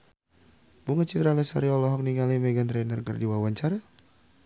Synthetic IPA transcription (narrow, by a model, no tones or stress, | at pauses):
buŋat͡ʃit̪ɾalɛsaɾiɔlɔɦɔk̚niŋalimɛɡant̪ɾɛnərkərdiwawaɲt͡ʃaɾa